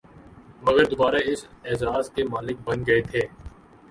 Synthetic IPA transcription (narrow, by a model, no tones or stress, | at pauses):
mɐɡəɾd̪ʊbaːɾaɪsɛzaːzkemaːlɪk̚bɐnɡɐet̪ʰeː